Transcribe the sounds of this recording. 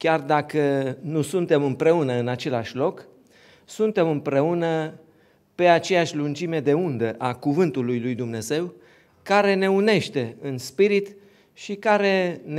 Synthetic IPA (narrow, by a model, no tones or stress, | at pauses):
kʲard̪akənusunt̪e̞mɨmpɾe̞unəɨnat͡ʃe̞laʃʲlo̞k | sunt̪e̞mɨmpɾe̞unə | pe̞at͡ʃe̞jaʃʲlund͡ʒime̞d̪e̞und̪əʔakuvɨnt̪ulujlujd̪umne̞ze̞w | kaɾe̞ne̞une̞ʃt̪e̞ɨnspiɾit̪ | ʃikaɾe̞n